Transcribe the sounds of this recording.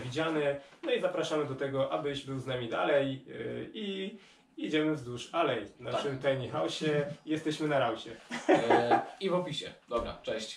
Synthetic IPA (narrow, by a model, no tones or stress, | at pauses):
vʲid͡ʑanɛnɔizapɾaʂamɘd̪ɔt̪ɛɡɔʔabɘɕbɘwznamʲid̪a̰lɛji | id͡ʑɛmɘvzd̪uʂalɛjnaʂɘmt̪ajɲixawɕɛjɛst̪ɛɕmɘnaɾawɕɛ | ivɔpʲiɕɛ̰d̪ɔbɾa̰t͡ʂɛɕt͡ɕ